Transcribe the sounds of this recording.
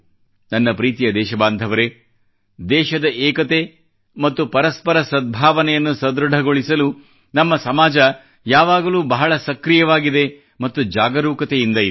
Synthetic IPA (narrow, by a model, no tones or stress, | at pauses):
nɐnːɐpɾiːt̪ijɐd̪ɛːʃɐbaːnd̪ʱɐʋɐɾe | d̪ɛːʃɐd̪ɐʔɛːkɐt̪e | mɐt̪ːupɐɾɐspɐɾɐsɐd̪̚bʱaːʋɐnɛjɐnːusɐd̪ɾɐɖʱɐɡo̞ɭisɐlu | nɐmːɐsɐmaːd͡ʒɐ | jaːʋaːɡɐluːbɐɦɐɭɐsɐkɾijɐʋaːɡid̪e̞ | mɐt̪ːud͡ʒaːɡɐɾuːkɐt̪ejind̪ɐi